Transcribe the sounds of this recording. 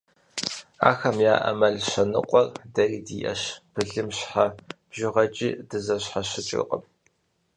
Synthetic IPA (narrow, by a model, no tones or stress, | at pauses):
a̰ːxɐmjaːʔɐ̰mɐɮʃɐnɨ̰qʷʼɔrdɐriːdḭːʔɐ̰ɕpʰɨɮɨmɕħab̥ʒɪʁɐt͡ʃʼiːdɨzɐɕħaɕɪt͡ʃʼɪ̰qʼə̰p